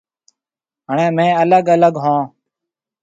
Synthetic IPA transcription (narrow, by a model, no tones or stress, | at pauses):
ɦəɳẽːmẽːələɡələɡɦõː